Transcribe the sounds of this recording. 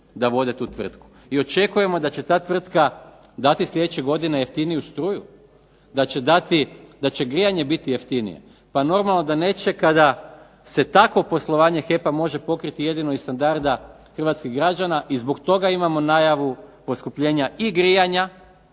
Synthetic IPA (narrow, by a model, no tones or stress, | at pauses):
d̪aʋo̞d̪e̞t̪uːt̪ʋr̩t̪ku̥ | io̞t͡ʃe̞kuje̞mo̞d̪at͡ɕe̞t̪aːt̪ʋr̩t̪ka | d̪at̪islʎʲe̞d̪et͡ɕeɡo̞d̪ine̞jeft̪inijust̪ɾuju | d̪at͡ɕe̞d̪at̪id̪at͡ɕe̞ɡɾijaɲe̞bit̪ijeft̪inḭje̞̰ | pano̞ɾmalˠno̞d̪ane̞ːt͡ʃe̞kad̪a | se̞t̪akʋo̞po̞slˠo̞ʋaːɲe̞xe̞pamo̞ʒe̞po̞kɾit̪ije̞d̪ino̞ist̪and̪aɾd̪a | xr̩ʋat̪skiɣɡɾad͡ʒanaʔizbo̞kt̪o̞ɡaimamo̞najaʋupo̞skupʎe̞ːɲaiɡɾijaɲa